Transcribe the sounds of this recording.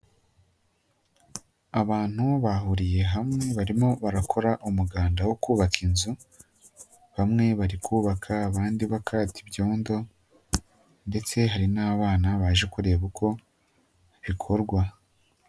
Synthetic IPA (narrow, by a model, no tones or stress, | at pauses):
aβaːn̥huβahuɾije̞ɦamŋe̞βaɾimo̞βaɾakʰo̞ɾaʔumuɡaːndawo̞kuːβakʰinzu | βamŋe̞βaɾikʰuːβakʰaːβaːndiβakʰaːtibjo̞ːndo̞ | nde̞t͡se̞ɦaɾinaːβaːnaβaːʒe̞kuɾe̞βukʰo̞ | βikʰo̞ɾɡwa